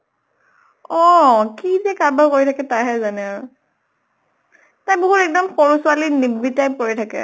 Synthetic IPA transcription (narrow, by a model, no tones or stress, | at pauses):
ɔkizɛkaɹbʱaɹkoɹitʰakɛtajɦɛzanɛaɹu | tajboɦutɛk̚dɔmxoɹusʊwalinibːitajpkoɹitʰakɛ̰